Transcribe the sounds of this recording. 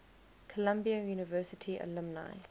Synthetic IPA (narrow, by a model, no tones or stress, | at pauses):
kʰəlãmbiəjuːnɪvɜːˑsɪtʰiə̰lɪ̃mna̰ɪ